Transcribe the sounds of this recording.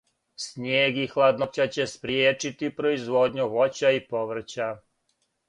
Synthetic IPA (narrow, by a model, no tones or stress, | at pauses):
sɲeːɡixlˠad̪not͡ɕat͡ɕe̞spɾjeːt͡ʃit̪ipɾoizʋod̪ɲuʋo̞t͡ɕaipo̞ʋr̩t͡ɕa